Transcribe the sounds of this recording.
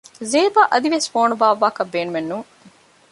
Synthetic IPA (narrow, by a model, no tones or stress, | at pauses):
zeːbaʔɐd̪iʋesfoːnubaːʋaːkɐbːeːnumenːuŋ